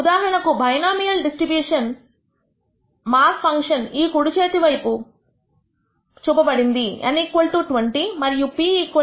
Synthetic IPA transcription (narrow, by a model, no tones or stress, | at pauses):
ud̪aːɦɐɾɐɳɐkubʱɐjnaːmijɐlɖisʈɾibjuːʂɐn | maːspʰɐŋkʂɐniːkuɽut͡ʃeːt̪iʋɐjpu | t͡ʃubɐbɐɽind̪iḛniːkʋɐlʈuːʈʋɐɳʈimɐɾijupiiːkɐ